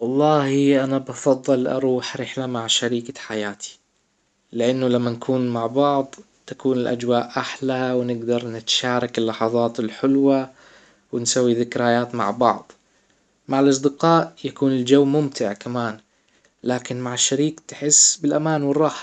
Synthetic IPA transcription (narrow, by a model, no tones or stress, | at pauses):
wɑlˤːɑːhiʔanabɑfɑðˤːɨlʔɑ̰ɾˤuːħɾɪħlamaʕʃaɾiːkaħajaːt̪ʰi̥ | lɪʔanːʊlamːankʰuːnmaʕbɑʕd̪ˤ | t̪akuːnɪlʔa̰d͡ʒwaːʔʔaħlawɪnɪɡd̪ɑɾˤnɪt̪ʃaːɾˤɑkɪlːɑħɑðˤɑːt̪ɪlħʊlwa | wɪnsawːiðɪkɾajaːt̪ma̰ʕbɑʕd̪ˤ | maʕɪlʔɑs̬ˤd̪ɪqɑːʔjakuːnɪld͡ʒawːmʊmt̪ʰɪʕkamaːn | laːkɪnmaʕɪʃːaɾiːkt̪ɪ̥ħɪsːbɪlʔamaːnwɪrˤːɑːħḁ